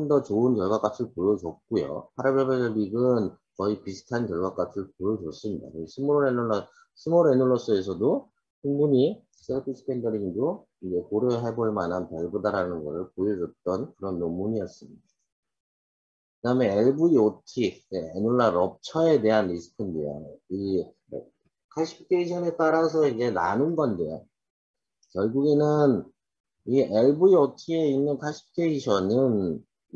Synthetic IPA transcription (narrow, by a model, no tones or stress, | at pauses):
ndʌt͡ɕoɯnkjʌɭɡwak͈at͡ɕʰɯɭpojʌd͡ʑʌk̚k͈ojo̰pʰaɾebeɭbeɡʌɭbiɡɯn | kʌipisʰɯ̥tʰankjʌɭɡwak͈atʰɯɭpojʌd͡ʑʌs͈ɯmɲida̰kɯsʰɯmoɾoɾenuɭːʌ | sʰɯmoɾenuɭːʌs͈ɯe̞sʰʌdo | suŋmuɲi | s͈ʰepʰisʰɯ̥kʰendʌɾiŋdo | id͡ʑe̞koɾoɦeboɭmanɦanpeɭbudaɾanɯnɡʌɾɯɭpojʌd͡ʑʌt͈ʌnkɯɾʌnːommuɲijʌs͈ɯmɲida | kɯdaɯme̞eɭbuiotʰieenuɭːaɾʌp̚t͡ɕʰʌe̞de̞ɦanɾisʰɯ̥kʰɯndḛjo̰i | kʰaɕʰi̥p̚tʰeiɕʰʌnet͈aɾasʰʌid͡ʑe̞na̰nɯnɡʌndwejo | kjʌɭɡuɡe̞nɯn | iʔeɭbuiotʰie̞inːɯnkʰaɕʰi̥p̚ʰtʰeiɕʰʌnɯn